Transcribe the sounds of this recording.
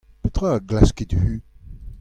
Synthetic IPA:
pøt̪ʁaɡlasked̪vy

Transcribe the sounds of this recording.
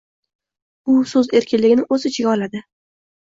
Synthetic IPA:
ʊsɵze̞ɾkʲɪnlɪɡʲɪnɪɵzɪt͡ʃʰɪɡʲaɒlad̪ɪ

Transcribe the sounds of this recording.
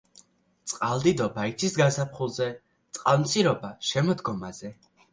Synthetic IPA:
t̪sʼqʼalˠd̪id̪ɔbait̪ʰisɡasapχulˠzɛ | t̪sʼqʼalmt̪sʼiɾɔbaʃɛmɔd̪ɡɔmazɛ

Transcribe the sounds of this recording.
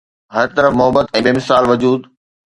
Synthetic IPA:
ɦɐɾt̪ɐɾəfmʊɦəbət̪ɛ̃ːbeːmɪsaːlʋɐd͡ʑuːd̪

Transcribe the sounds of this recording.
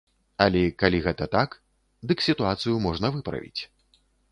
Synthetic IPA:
ɐlʲɛkalʲiɣɛt̪ɐt̪ak | d̪ɨksʲit̪uat̪sɨjumɔʐnɐvɨpɾɐ̰vʲḭt͡sʲ

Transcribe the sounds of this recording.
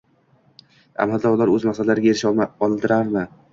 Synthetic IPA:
a̰mald̪aʊlˠaɾɵzmasad̪laɾɪɡʲaeɾɪʃɒlˠɪlt̪ʰɪɾaɾmɪ

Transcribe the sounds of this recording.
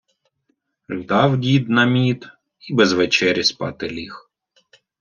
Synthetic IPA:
ʒd̪ɑwdʲid̪nɐmʲit̪ | ibezʋet͡ʃɛɾʲispɑ̰t̪ɪlʲix

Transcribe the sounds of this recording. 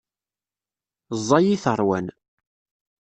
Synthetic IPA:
zˤːɑjiθəɾˤwæn

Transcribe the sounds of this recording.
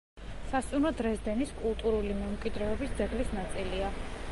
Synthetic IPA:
sast̪sʼumɾɔd̪ɾɛzd̪ɛniskʼulˠt̪ʼuɾulimɛmkʼid̪ɾɛɔbisd̪zɛʁlisnat̪sʼilia

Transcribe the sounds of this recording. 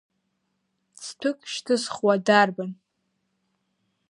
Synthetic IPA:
t͡sʰtʰɨkʼʃtʰɨsχwadarban

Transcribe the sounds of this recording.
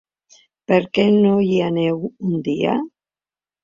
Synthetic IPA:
peɾkenoʎianewund̪ia̰

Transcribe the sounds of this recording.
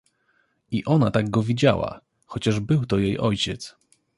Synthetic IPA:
iʔɔnat̪aɡɡɔvʲid͡ʑa̰wa̰ | xɔt͡ɕaʐbɘwt̪ɔjejʔɔjt͡ɕɛt̪s

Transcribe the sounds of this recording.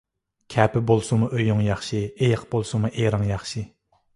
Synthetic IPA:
kʲʰæpɪbolˠsuməʔøjoŋjɑχʃiejɑqb̥olˠsumaʔeɾɑŋjɑχʃi

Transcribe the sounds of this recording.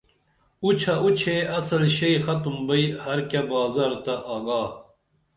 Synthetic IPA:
ut͡ʃʰɐut͡ɕʰeɐsɐlɕejxɐt̪umbɐjhɐɾkʲɐbɑːzɐɾt̪ɐʔɑːɡɑː

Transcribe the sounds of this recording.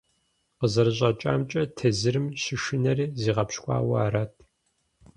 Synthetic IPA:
qəzɐɾɨɕ̬ʼɐt͡ʃʼa̰ːmt͡ʃʼɐtʰɐzɨrɨmɕɪʃɨnɐriːziːʁɐpɕkʷʼɑ̰ːwɐ̰ɾɐtʰ

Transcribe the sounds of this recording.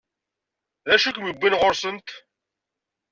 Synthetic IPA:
ðæʃukʷmibːinʁʊɾsənt̪

